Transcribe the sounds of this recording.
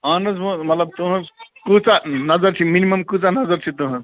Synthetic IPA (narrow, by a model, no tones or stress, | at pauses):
aːnɐzbõmɐt̪lɐb̚t̪uɦɐ̃kuːt͡sanɐzəɾt͡ʃʰiminimɐmkuːt͡sanɐzəɾt͡ʃʰit̪uɦɐ̃